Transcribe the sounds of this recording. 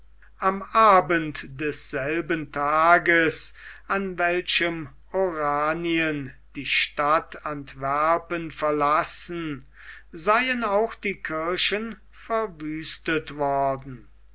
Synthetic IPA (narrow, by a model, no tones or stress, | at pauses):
ʔamʔaːbəntdɛsz̥ɛlbəntʰaːɡəsanvɛlʃəm | oʁaːniən | d̥iːʃtatʰantvæɐpənfɛɐlasn̩ | zaɪənaʊxd̥iːkʰɪɐʃən | fɛɐvyːstətvɔɐdn̩